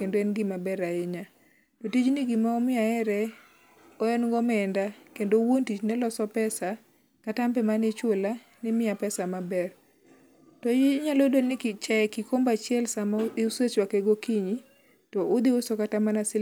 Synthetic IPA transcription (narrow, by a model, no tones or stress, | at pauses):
kendoɛnɡɪmabɛɾaɪɲa | totit͡ʃnɪɡimaɔmɪaɛɾɛ | ɔɛnɡɔmɛndakendowontit͡ʃnɛlɔsɔpɛsa | katampɛmanɪt͡ʃola | nɪmɪapɛsamabɛr | tɔjɪɲalodonɪkɪt͡ʃɛɛkɪkombat͡ʃɪɛlsamaɪuset͡ʃwakeɡokiɲi | tɔʔʊd̪ɪʊsokatamanasɪ